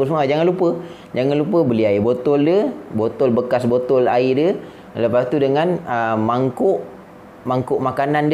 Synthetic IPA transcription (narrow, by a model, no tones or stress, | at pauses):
əs̬muad͡ʒaŋanlupə | d͡ʒaŋanlupəbəliaibot̪ɔldəbot̪ɔlbəkasbot̪ɔlaidiə | ləpast̪udəŋanəmaŋkʊʔ | maŋkʊʔmakanand